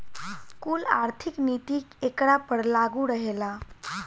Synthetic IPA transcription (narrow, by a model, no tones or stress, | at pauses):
kuːla̰ɾt̪ʰiknit̪iːkekɽapəɽlaɡuɾəɦela